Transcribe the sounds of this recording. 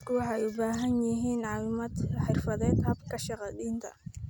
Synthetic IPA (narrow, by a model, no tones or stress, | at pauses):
kwɑħɑjʊbaːɦɐnjɪɦiːnʕɑːwɪmaːd̪ħɪrfɐðɛːd̪hɐbkʰɐʃɑqɑdiːnt̪ʰɐ̰